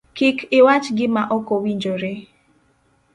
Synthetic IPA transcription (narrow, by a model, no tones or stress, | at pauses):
kɪkʰɪwat͡ʃɡɪmaʔɔkowiɲd͡ʒoɾe